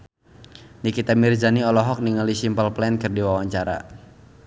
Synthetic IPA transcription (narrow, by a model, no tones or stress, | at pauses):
nikit̪amird͡ʒaniɔlɔɦɔk̚niŋalisimpəlplɛnkɨrdiwawaɲt͡ʃaɾa̰